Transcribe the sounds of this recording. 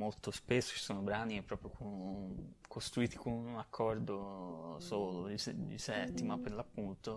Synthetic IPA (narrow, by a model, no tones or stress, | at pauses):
molt̪ospesːo̥t͡ʃi̥soːnobɾaniɛpːɾɔːpɾjokʰon | kʰost̪ɾuiːt̪i̥konunakʰːɔrd̪osoːlod̪isd̪ḭsɛt̪ːimapːeɾlapːunt̪o